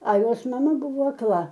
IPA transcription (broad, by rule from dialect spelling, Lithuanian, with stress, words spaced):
ɐ ˈjoːs mɐˈmɐ ˈbʊʋoː ɐkˈlˠɐ